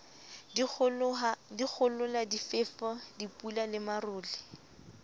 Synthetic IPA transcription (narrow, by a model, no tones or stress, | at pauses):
dik͡xʰʊlʊladifɪːfɔdipʼulalɪmarʊːlɪ